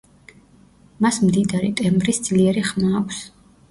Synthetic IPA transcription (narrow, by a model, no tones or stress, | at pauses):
masmd̪id̪aɾḭt̪ʼɛmbɾisd̪zliɛɾiχmaːkʷʰs